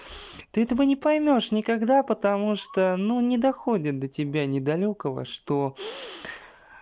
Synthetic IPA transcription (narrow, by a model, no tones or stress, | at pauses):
t̪ɨɛt̪əvənʲɪpɐjmʲo̞ʂnʲɪkɐɡd̪apət̪ɐmuʂt̪onunʲɪd̪ɐxodʲɪt̪̚d̪ətʲɪbʲanʲɪd̪ɐlʲokəvə̰ʂt̪o